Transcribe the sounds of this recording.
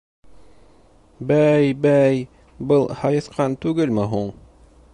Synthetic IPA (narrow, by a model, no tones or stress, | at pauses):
bæjbæj | bɤlˠhɑjɤ̆θqʰɑnt̪ʉɡɘlmɘɦuɴ